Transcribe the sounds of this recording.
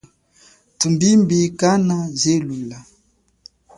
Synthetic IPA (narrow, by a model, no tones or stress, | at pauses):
tumbimbikanazelula